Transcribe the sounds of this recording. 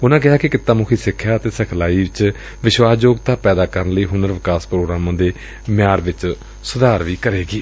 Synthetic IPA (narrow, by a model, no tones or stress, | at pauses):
ʊnãːɡɪaːkɪkɪt̪ːaːmʊkʰiːsɪkʰːjaːət̪eːsəkʰlaːiːʋɪt͡ʃ | ʋɪʃʋaːsd͡ʒoːɡt̪aːpɛːd̪aːkəɾənləiːɦʊnəɾʋɪkaːspɾoːɡɾaːmãːd̪eː | mɪjaːɾʋɪt͡ʃ | sʊd̪aːɾʋiːkəɾeːɡiː